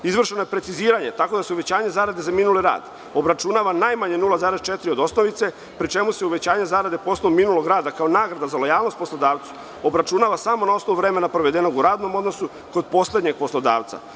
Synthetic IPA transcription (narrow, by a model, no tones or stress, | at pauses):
izʋr̩ʃenojepɾe̞t̪siziːɾaɲe̞t̪ako̞d̪aseuʋe̞t͡ɕaːɲe̞zaːɾad̪e̞zaminuliɾa̰ːd̪ | o̞bɾat͡ʃunaːʋanaːjmaɲenulˠazaːɾest͡ʃe̞t̪ɾiod̪o̞sno̞ʋit̪se̞ | pɾit͡ʃe̞museuʋe̞t͡ɕaːɲe̞zaːɾad̪e̞po̞snoʋuminulˠo̞ɡɾaːd̪akaonaːɡɾad̪azalo̞jaːlno̞st̪po̞slo̞d̪aːʋt̪su̥ | o̞bɾat͡ʃunaʋasamo̞nao̞snoʋuʋɾe̞me̞napɾoʋe̞d̪eno̞ɡuɾaːd̪no̞mo̞d̪no̞su | ko̞d̪̚po̞slˠe̞d̪ɲe̞ɡ̥̚po̞slˠo̞d̪a̰ːʋt̪sa̰